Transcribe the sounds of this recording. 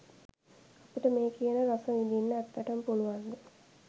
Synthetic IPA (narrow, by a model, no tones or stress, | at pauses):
apiʈəmeːkijənəɾasɐid̪inːəæt̪ːæʈəmpuluʋand̪ə